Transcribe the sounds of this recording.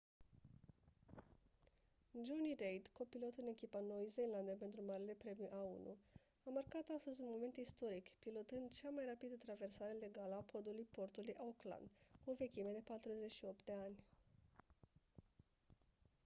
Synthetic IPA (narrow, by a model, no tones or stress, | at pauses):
d͡ʒonirejd̪ko̞pilo̞t̪ɨne̞kʲipano̞jzeland̪əpe̞nt̪ɾumaɾile̞pɾe̞miʔaṵnṵ | amarkat̪ast̪əzʲunmo̞me̞nt̪ist̪o̞ɾikpilo̞t̪ɨnd̪t͡ʃamajrapid̪ət̪ɾave̞rsaɾe̞le̞ɡaləapo̞d̪ulujpo̞rt̪ulujʔaokla̰nd̪kuove̞kʲimed̪e̞pat̪ɾuze̞t͡ʃʃio̞p̚t̪̚d̪e̞anʲ